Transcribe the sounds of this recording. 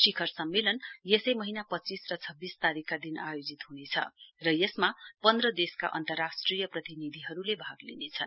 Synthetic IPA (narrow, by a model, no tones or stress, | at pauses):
ʃikʰʌrsʌmːelʌnjesʌjmʌɦinapʌt͡sːisrʌt͡sʰʌbːist̪aɾikːad̪inajod͡zit̪ɦunet͡sʰʌ̰rʌjesmapʌnd̪rʌd̪eska̰ʔʌ̰nt̪ʌrasʈrijʌprʌt̪inid̪ʱiɦʌɾulebʱaɡlḭnet͡sʰʌ̰n